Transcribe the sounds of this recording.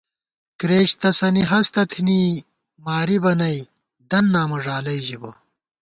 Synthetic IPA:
kɾeːɕt̪ɐsɐniɦɐst̪ɐt̪ʰiniː | maːɾibɐnɐj | d̪ɐnːaːmɐʐaːlɐjʑibɐ

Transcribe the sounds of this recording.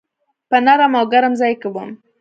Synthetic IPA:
pənaɾamawɡaɾamzajkəbom

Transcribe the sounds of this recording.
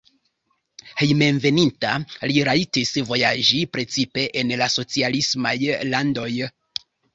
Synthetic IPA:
he̞jme̞mve̞nintaliɾaitisvo̞jaʒipɾe̞t͡sipe̞ʔenlaso̞t͡sialismajlando̞j

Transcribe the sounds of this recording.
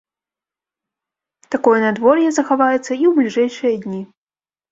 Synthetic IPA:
t̪akɔjɐnad̪vɔrjɛzɐxavajɛt̪sːɐiwblʲiʐɛjʂɨjɐd̪ʲnʲi

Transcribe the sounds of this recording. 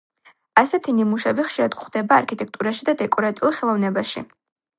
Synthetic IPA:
asɛt̪ʰinimuʃɛbiχʃiɾad̪ɡχd̪ɛbaːɾkʰit̪ʼɛk̚ʰt̪ʼuɾaʃid̪ad̪ɛkʼɔɾat̪ʼiulˠχɛlˠɔvnɛbaʃḭ

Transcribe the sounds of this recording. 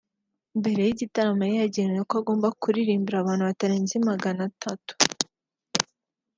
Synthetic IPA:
mbe̞ɾe̞jiɟitaɾamajejaɟeɲekoaɡo̞ːmbakuɾiɾiːmbiɾaβaːn̥huβataɾeːnzimaɡanatʰatu̥

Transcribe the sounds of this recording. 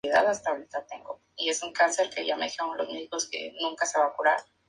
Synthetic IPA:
iða̰ðast̪aoɾit̪at̪e̞ŋɡo̞̰ | ie̞suŋkanse̞ɾke̞ʝame̞ðixeoŋalo̞zmeðiko̞ske̞̰nũŋkase̞βakuɾaɾ

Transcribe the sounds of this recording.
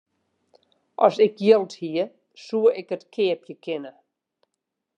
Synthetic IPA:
ʔɔsɪkjɪlˠthiə | suəɪkətkʰɪəpjəkʰɪnə

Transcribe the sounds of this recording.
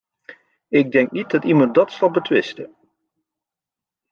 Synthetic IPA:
ɪɡ̚dɛŋknit̚dɑtimɑn̚dɑtsɑlˠbətʋɪstə

